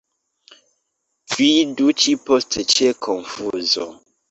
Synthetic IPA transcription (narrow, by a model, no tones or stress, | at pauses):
fidut͡ʃipɔstet͡ʃɛkʰɔnfuzɔ